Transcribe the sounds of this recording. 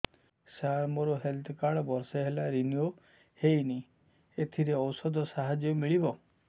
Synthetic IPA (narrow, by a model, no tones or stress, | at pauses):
saɾmoɾoɦelt̪ʰɔkaɽɔbɔɾseɦelaɾinio | hejni | et̪ʰiɾeɔwsɔd̪ɔsaɦad͡ʒjɔmiɭibɔ